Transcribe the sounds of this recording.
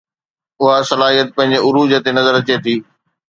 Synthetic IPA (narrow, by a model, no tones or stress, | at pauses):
ʊɦasɐlaːɦijət̪̚pɐ̃ɦɪ̃ɲd͡ʑeʊɾuːd͡ʑət̪enɐzəɾɐt͡ɕet̪ʰiː